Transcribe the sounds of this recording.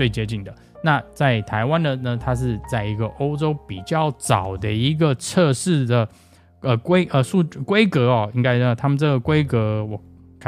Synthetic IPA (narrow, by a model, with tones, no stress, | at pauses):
t͡swe˥˩ɪt͡ɕjɛ˧˥t͡ɕi˥˩ŋd̪ə˩ | na˥˨t͡sa˥˩ɪt̪ʰa˧˥ɪwa˦nd̪ə˨nə˨t̪ʰa˥ʂ̬ɻ̩˥˧t͡sa˥˩ɪi˧˥ɡə˧ʔo˥ʊʈ͡ʂo˥ʊpi˨˩t͡ɕjɑ˥˩ʊt͡sɑ˨˩ʊd̪ə˦i˧˥ɡə˨t͡sʰɤ˥˧ʂɻ̩˥˩d̪ə˩ | ə˨˩kwe˥ɪʔə˧ʂu˥˧kwe˦ɪkɤ˧˥ɔ˧i˦˥ŋka˥ɪə˧˩t̪ʰa˥mə˨nʈ͡ʂɤ˥˩ɡə˩kwe˥ɪkɤ˧˥wɔ˨˩ | kʰ